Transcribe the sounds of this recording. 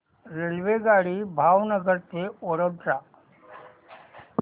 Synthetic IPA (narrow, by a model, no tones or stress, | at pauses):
ɾelʋeɡaːɽibʱaːʋnəɡəɾt̪eoɽəʈɾaː